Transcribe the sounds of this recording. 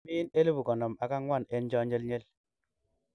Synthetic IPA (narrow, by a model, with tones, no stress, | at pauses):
i˦ne˦li˦bu˨kɔ˨nɔ˨ma˨ka˦ŋwa˦˨ne˦nd͡ʒɔ˦ɲe˦lɲe˦l